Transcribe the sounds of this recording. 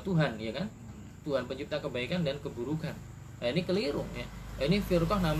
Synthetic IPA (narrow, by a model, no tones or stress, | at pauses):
t̪uɦanjakan | t̪uɦanpəɲt͡ʃip̚t̪akəbaikandankəbuɾukan | ainikəliɾʊŋjainifirkɔhnam